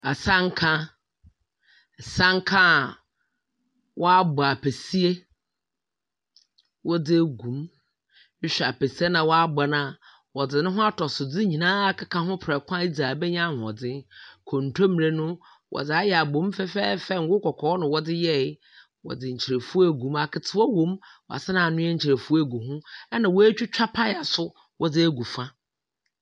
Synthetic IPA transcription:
a˨sã˦ŋ˦kʰã˦˨ | sã˦ŋ˦kʰã˦˨ | wʔɔ˦a˦bʊ˨a˨pʰe˨si˦e˦ | wɔ˦dɪ˦e˦ɡũ˨m | ɪ˦ɕᶣa˨pe˨si˦e˦nã˨wɔ˦a˦ba˨nã˦˨ | wɔ˨dɪ˨nʊ̃˦ɦʊ̃˦a˦tʰɔ˨sʊ˨d͡zɪ˦ɲĩ˨nãː˦a˦kʰa˦kʰã˦ɦʊ̃˦pʰɾɛ˨kʰʷã˦i˦d͡za˨bɛ˦ɲã˦˨hɔ̰˨d͡zɪ̃˦kʰo˨n̩˨tʰo˦m̩˨ɾe˨˦nʊ̃˦ | wʔɔ̰˨d͡zɪ˨a˦jɛ˨a˨bõ˨˦m˦fɛ˦fɛː˦fɛ˦ŋ̩˦ɡʊ˦kʰɔ˨kʰɔː˨˦nʊ̃˨wɔ˦dɪ˦jɛ˦˨˦ | wɔ̰˨dɪ˨ɲ̩˨t͡ɕʰi˨ɾe˨fu˦e˦˨ɡũ˨˦ma˨kʰɪ˨tʰɪ˨wɔ˦wõ˨˦mwɔ̰˨a̰˨sɪ˦nã˨nʊ̃˦ɛ˦ɲ̩˦t͡ɕʰi˨ɾe˨fu˦e˦˨ɡu˨ɦũ˦ɛ˦nã˨wɔ˦æ˦t͡ɕᶣu˦t͡ɕᶣa˦pʰa˦ja˨sʊ˦ | wʔɔ˦d͡zɪ˦e˦ɡu˨fã˦

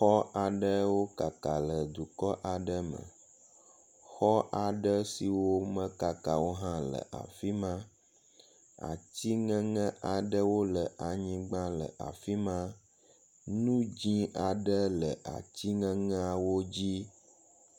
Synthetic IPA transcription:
xɔ˦a˨ɖə˦wo˦ka˨ka˨lə˨d̪u˨kɔ˦ʔa˨ɖə˦mə̰̃˨ | xɔ˦ʔa˨ɖə˦si˨wo˦mə̃˦ka˨ka˨wo˦ɦã˦lə̰˨ʔa̰˨fi˦mã˦ | a̰˨t̪i˦ŋə̃˦ŋə̃˦ʔa˨ɖə˦wo˦lə˨ʔa˨ɲĩ˦ɡ͡bã˦lə̰˨ʔa̰˨fi˦mã˦ | nũ˦d͡ʑĩ˦ʔa˨ɖə˦lə˨ʔa̰˨t̪i˦ŋə̃˦ŋɛ̃˦a˨wo˦d͡ʑi˦

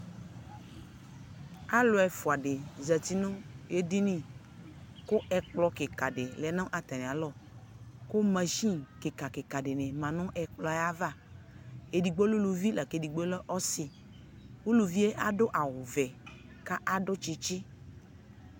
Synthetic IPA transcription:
a˦lo˨˦ɛ˨fo˨a˨ɖe˨zɛ˨t̪i˦nʊ̃˦e˦di˦nĩ˦˨ | kʊ˦ʔɛ˨k͡plɔ˨ke˨ka˨ɖe˨lɛ˨˦nɔ̃˦ʔa˨t̪a˨nĩ˨a˨lɔ˦ | kʊ˦mɛ̃˨ʃi˦ke˨ka˨ke˨ka˨ɖe˨nɛ̃˨mã˨nʊ̃˦ʔɛ˨k͡plɔ˨˦a˦va˦˨ | e˨di˨ɡ͡bo˦lu˦lu˨vi˦la˨ke˨di˨ɡ͡bo˦lɔ˦ʔɔ˦sɪ˨ | wu˦lu˨vi˦e˦ʔa˦ɖʊ˦ʔa˨wʊ˨vɛ˨ | ka˦ʔa˦ɖʊ˦t͡ʃi˨t͡ʃɪ˦

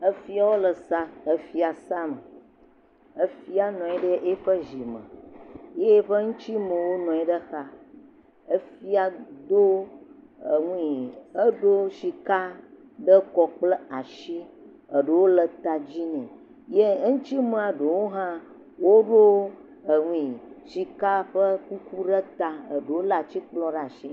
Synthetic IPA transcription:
ə˦fi˦a˨wo˦lə˨sa˦ə˦fi˦a˨sa˦mə˨ | ə˦fi˦a˨nɔ̃˨ɛ˨ɖə˦ʔe˦ɸə˦ʒi˨mə̰̃˨je˦ɸə˦ŋũ˦t͡ɕi˦mə̃˨wo˦nɔ̃˨ɛ˨˦ɖə˦xa˦ | ə˦fi˦a˨d̪o˦ | ə˨ŋũ˦i˨ə˦ɖo˦ʃi˨ka˦ | ɖə˦kɔ˨k͡plə˦a˨ʃi˦ | ə˨ɖə˨wo˦lə˨t̪a˨d͡ʑi˦nɛ̃˨ | je˦ŋũ˦t͡ɕi˦mə˨a˨ɖo˨wo˦ɦã˦ | wo˦ɖo˦ | ə˨ŋ̃ʷ˦ĩ˨ʃi˨ka˦ɸə˦ku˦ku˦ɖə˦t̪a˨ə˨ɖe˨wo˦la˦˨a˨t͡ɕi˦k͡plɔ̃˦ɖə˦a˨ʃi˦

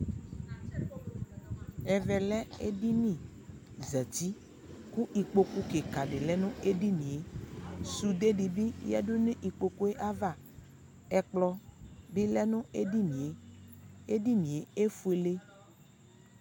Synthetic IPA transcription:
ɛ˨vɛ˨lɛ˦ḛ˦ɖi˦nĩ˨ | zɛ˨t̪i˦ | ku˦i˨k͡po˦ku˦ke˨ka˨ɖe˨lɛ˦nũ˦e˦ɖi˦nĩ˨e˦su˨d̪e˦ɖi˨bi˦ja̰˦ɖo˦nẽ˦ʔi˨k͡po˨ko˦e˦ʔa˦va˦˨ | ɛ˨k͡plɔ˦bi˦lɛ˦nũ˦e˦ɖi˦nĩ˨e˨ | e˦ɖi˦nĩ˨e˨e˦fu˦e˨le˦

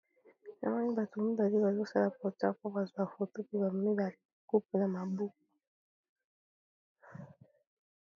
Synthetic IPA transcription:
na̰˨ma˦ni˦ba˨tu˨mi˦ba˨li˦ba˨zo˦sa˦la˨pɔ˨ta̰˦˨ko˦ba˨zu˨a˨fo˨to˦pi˦ba˨m˨mi˦ba˨ku˦p̚u˨na˨ma˨bu˦ku˨

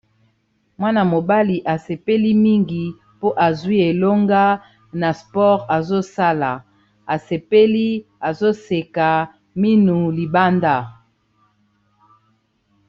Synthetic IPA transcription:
mwa˦na˨mo˨ba˦li˨ʔa˨se˨pe˦li˦mi˦ŋɡi˨ | po˦ʔa˨zwi˦e˨lo˦ŋɡa˦ | na˨spɔ˦ʁa˨zo˦sa˦la˨ | a˨se˨pe˦li˦a˨zo˦se˨ka˨ | mi˦nu˨li˨ba˦nda˦˨

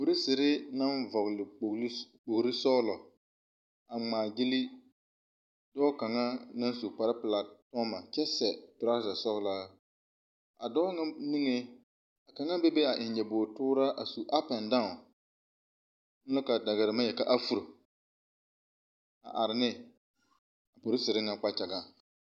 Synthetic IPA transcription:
o˨ɾi˦sɪ˨ɾɪ˦na˦nvɔ˨ɣlɪ˨k͡pk͡po˨ɡɾɪ˦sɔː˦lɔ˨ | a˨ŋ͡maː˨ɡɪ˦li˦ | dɔː˦ka˨ŋa˦na˦n˦su˨k͡pa˦ɾɪ˦pɪ˨la˨tɔ˦ma˨t͡ʃɛ˦sɛ˨pɪ˨ɾa˦za˨sɔ˦ɣlaː˦ | a˨dɔ˦ŋa˦ni˦ŋe˦ | a˨ka˨ŋa˦be˦be˦a˨ʔɪ˨nd͡ʒɛ˨bʊː˨tʊː˦ɾa˦ʔa˨su˨ʔa˦pɛ˨ndã˦˨ | mʊ˦lɪ˦ka˨da˨ɣɪ˨ɾɪ˨ma˦jɛ˨ka˨ʔa˦fu˦˨ɾo˨ | a̰˨ʔa˨ɾɪ˨nɪ˦ | a˨po˨ɾɪ˦sɪ˨ɾɪ˦ŋa˨k͡pa˦t͡ʃa˨ɡa˦

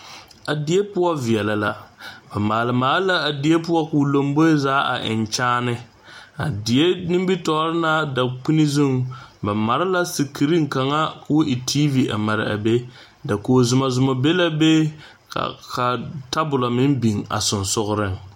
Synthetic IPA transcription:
a˨dɪ˨e˦pʊ˦wa˦vi˨ɛ˨la˨la˨ba˨maː˨lɪ˨maː˨lla˦a˨di˨˦e˦pʊ˦wa˦ku˨lo˨mbo˦zaː˦a̰˨ʔɪ̰˨nt͡ʃaː˦nɨ˦ | a̰˨dɪ˨e˦nɪ˦m˦bi˦tɔ˨˦ɾɪ˦na˦da˨k͡pi˦ni˦zʊ˦ŋba˨ma˨ɾɪ˦la˦si˨kʰi˨ɾi˦ŋ˨ka˨ŋa˦kwo˦ʔɪ˨tʰiː˦vi˨a̰˨ma˨ɾɪ̰˨a̰˨be˦ | da˨koː˨zʊ˨ma˨zʊ˨mɔ˨be˦la˦bḛ˦˨ | ka˨ta˦bʊ˨la˨mɪ˦mbi˨ŋa̰˨sʊ˨nsʊ˦ɣʊ˦ɾɪ˦ŋ

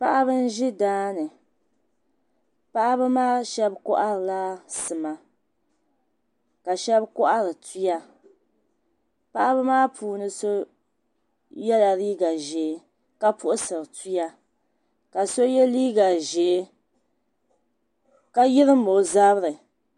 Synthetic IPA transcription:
pa˦ʔa˦bɨ˦n̩˦ʒɪ˦daː˦nɨ˨ | pa˦ʔa˦bɨ˦maː˦ʃɛ˦bkʊ̰˦ʔa˦ɾɨ˨la˦sɨ˨ma˨ | ka˨ʃɛ˦bkʊ˦ʔa˦ɾɨ˨tu˦ja˦ | pa˦ʔa˦bɨ˦maː˦pʰuː˨nɨ˦so˦ | jɛ˦la˨ɾiː˦ɡa˨ʒɛː˨˦ | ka˦pʊ˦ʔʊ˦sɨ˨ɾɨ˨tu˦ja˦ | ka˨so˦jɛ˦liː˦ɡa˨ʒɛ˨˦ | ka˦jɪ˦ɾɨ˦mo˨za˦βɾɨ˨

